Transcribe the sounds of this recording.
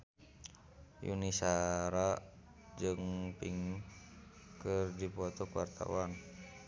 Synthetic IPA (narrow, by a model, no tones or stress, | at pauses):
jṵnisaɾa | d͡ʒɨŋpiŋ | kɨrdipɔt̪ɔkwart̪a̰wan